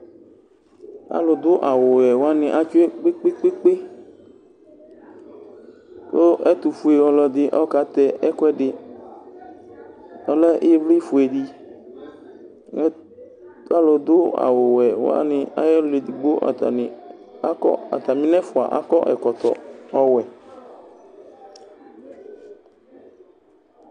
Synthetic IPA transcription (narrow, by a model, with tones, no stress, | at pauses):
a̰˦lɔ˧d̪ʊ˦ʔa˨wo˨wɛ˨wo˦a˦nɪ̃˨ʔa˨t͡ʃu˦e˦k͡pe˦k͡pe˦k͡pe˦k͡pe˦ | so˦ʔɛ˦t̪u˨fu˨e˨wɔ˧lɔ˧d̪ɪ˦ʔɔ˦ka˨t̪ɛ˦ɛ˦kɛ˦ɖɪ˨ | ɔ˦lɛ˦ʔe˦vli˦fu˨e˨di˧ | ɛ˦ | a˦lɔ˨d̪ʊ˦a̰˨wʊ˨wɛ˨w̰a̰˦nɪ˦a̰˦jɛ˦le˨di˨ɡ͡bo˦ʔ | ɔ˦a̰˨t̪a˨mĩ˦nɛ˦fʊ˨a̰˨ʔa̰˦kɔ̰˦ʔɛ˨kɔ˨t̪ɔ˨ɔ˦wɛ˨